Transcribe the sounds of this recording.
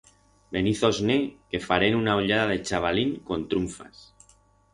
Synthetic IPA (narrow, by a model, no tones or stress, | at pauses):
beniθoznekefaɾenunaoʎaðaðet͡ʃaβ̞aliŋkont̪ɾuɱfa̰s